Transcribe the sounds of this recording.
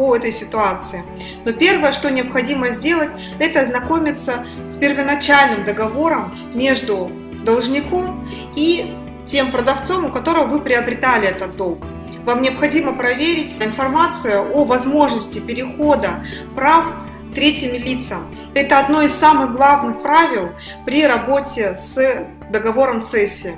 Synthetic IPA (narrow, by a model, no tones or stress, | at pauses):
poɛt̪əjsʲɪt̪ʊat̪sɨɪ | no̞pʲe̞rvəjəʂt̪onʲɪɐpxɐdʲiməzʲdʲe̞lˠət̚ʲ | ɛt̪əɐznɐko̞mʲɪt̪sə | spʲɪrvənɐt͡ɕalʲnɨmd̪əɡɐvo̞ɾəmːʲ | e̞ʐd̪ʊ | d̪əlˠʐnʲɪkom | i | tʲe̞mpɾəd̪ɐft̪so̞mʊkɐt̪o̞ɾəvəvɨpɾʲɪɐbɾʲɪt̪alʲɪɛt̪ət̪̚d̪o̞lˠk | vamnʲɪɐpxɐdʲiməpɾɐvʲeɾʲɪtʲɪnfɐrmat̪sɨjʊʔovɐzmo̞ʐnəsʲtʲɪpʲɪɾʲɪxo̞d̪ə | pɾaf | t̪ɾʲetʲɪmʲɪlʲit̪səm | ɛt̪əɐd̪no̞ɪsːamɨɣɡlˠavnɨxpɾavʲɪlˠ | pɾʲiɾɐbo̞tʲɪs | d̪əɡɐvo̞ɾəmt̪sɛsʲːɪ